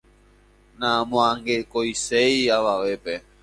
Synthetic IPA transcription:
nãmõãŋɡekojsejaʋaʋepe

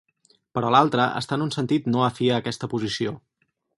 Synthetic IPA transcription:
pəɾɔlalˠt̪ɾəʔə̰st̪anunsənt̪it̪noəfiəːkɛst̪əpuzisio

